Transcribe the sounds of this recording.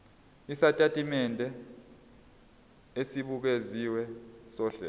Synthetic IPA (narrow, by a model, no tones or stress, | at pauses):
isatʼatʼimɛndʱɛ | esiɓuk̬eziwɛsɔːɬɛ̰